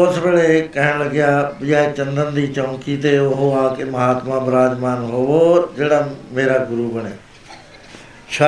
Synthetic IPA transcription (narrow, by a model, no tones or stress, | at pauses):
oːsʋeːɭekɐɦɪ̃ɽ̃lɐɡɪjabɪjaːet͡ʃɐ̃nd̪ənd̪iːt͡ʃɐŋkit̪eʊɦoãːkemɐɦaːt̪mãbɪɾaːd͡ʒmaːnɦoːʋod͡ʒeːɽameːɾaɡʊɾubɐɽ̃eː | ʃaː